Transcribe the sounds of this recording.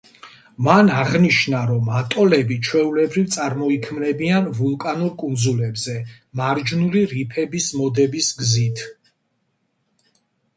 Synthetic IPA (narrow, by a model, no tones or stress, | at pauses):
manaʁniʃnaɾɔmat̪ʼɔlɛbit͡ʃʰwɛulɛbɾivt̪sʼaɾmɔikʰmnɛbianvulˠkʼanuɾkʼund̪zulɛbzɛ | maɾd͡ʒnuliɾipʰɛbismɔd̪ɛbisɡzit̪ʰ